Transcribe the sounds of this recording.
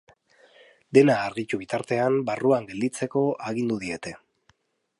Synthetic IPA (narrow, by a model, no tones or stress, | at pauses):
d̪e̞naːɾɣit̪uβ̞it̪aɾt̪e̞ambaruaŋɡe̞ld̪it͡se̞ko̞aɣind̪uðie̞t̪e̞